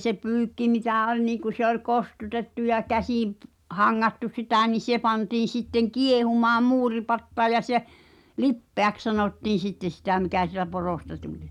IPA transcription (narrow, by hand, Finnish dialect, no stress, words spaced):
se pyːkːi mitæˑ olʲ niːŋ̆ku se ol kostutetːu jɑ kæsĩː p hɑŋːɑtːu sitæ ni se pɑntiːn̞̆ sitːeŋ kiehumɑːm muːripɑtːɑː jɑ se lipːeæks sɑnoˑtːiːn̞ sitːen̞̆ sitæˑ mikæ sitæ poroˑstɑ tulʲ